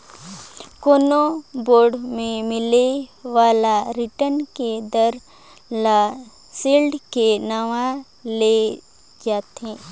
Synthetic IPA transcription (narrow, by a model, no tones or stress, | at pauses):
koːnoboːɾɖmẽmɪleʋaːlaɾɪʈənked̪əɾ | la | siːlɖkenaʋã | le | d͡ʒaːt̪ɦẽː